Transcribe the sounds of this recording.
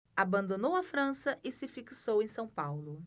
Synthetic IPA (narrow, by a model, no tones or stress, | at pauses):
abɐ̃nd̪onowɐfɾɐ̃sɐʔɪsɪfiksowẽj̃sɐ̃w̃pawlʊ